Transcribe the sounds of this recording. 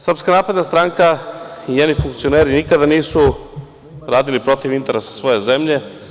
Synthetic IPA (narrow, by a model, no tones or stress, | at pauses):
sr̩pskanaːpɾe̞d̪nast̪ɾaŋkaiɲenifuŋkt̪sijo̞neːɾinikad̪aniːsu | ɾaːd̪ilipɾo̞t̪iʋint̪e̞ɾesḁsʋo̞je̞ze̞mʎe̞